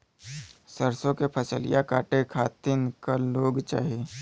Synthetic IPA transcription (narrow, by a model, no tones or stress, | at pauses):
səɾsõkepʰəsəlɪ̰jakaːʈekʰaːt̪ɪnkəloːɡt͡ʃa̰ːɦe